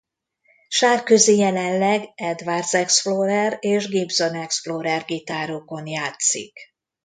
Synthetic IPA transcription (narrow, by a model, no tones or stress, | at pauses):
ʃaːrkøzijɛlɛnlɛɡɛd̪vard̪zsɛksfloɾɛreːʒɡibzo̞nɛksfloɾɛrɡit̪aːɾoːko̞njaːt̪sḭk